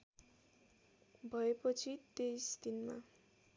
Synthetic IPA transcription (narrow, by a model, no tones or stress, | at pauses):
bʱʌepʌt͡sʰit̪ejsd̪inma̰